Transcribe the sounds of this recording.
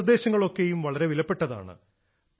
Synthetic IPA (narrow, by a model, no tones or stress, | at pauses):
rd̪e̞ːɕɐŋːɐɭo̞kːe̞jumʋɐɭɐɾe̞ʋilɐpːe̞ʈːɐða̰ːɳɨ̰